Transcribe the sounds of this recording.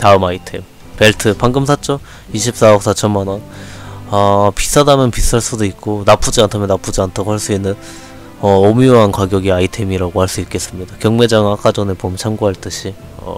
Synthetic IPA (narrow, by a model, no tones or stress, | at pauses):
taɯmaitʰe̞m | pe̞ɭtʰɯpaŋɡɯms̬ʰat͡ɕ͈ʌ | iɕʰip̚s͈aʌk̚s͈at͡ɕʰʌmmananapis͈adamjʌnpis͈aɭs͈udoik̚k͈onap͈ud͡ʑiantʰamjʌnap͈ud͡ʑiantʰaɡoɦhaɭs͈uinːɯn | ʌomioɦankwaɡjʌɡiaitʰe̞miɾaɡohaɭs͈uik͈e̞s͈ɯmɲidakjʌŋme̞d͡ʑaŋak͈ad͡ʑʌnepomt͡ɕʰaŋɡuɦaɭt͈ɯɕʰi | ʌ̰